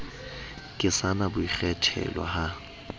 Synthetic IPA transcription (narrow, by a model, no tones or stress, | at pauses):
kʼɪsanabʊiχɛtʰɛ̰lwa̰ha